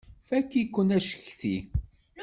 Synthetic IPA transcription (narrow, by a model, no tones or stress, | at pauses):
fækːikːənæʃə̥çθi